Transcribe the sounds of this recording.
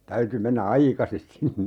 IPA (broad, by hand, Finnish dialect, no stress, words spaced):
tæyty menːæ ɑikɑsis sinːe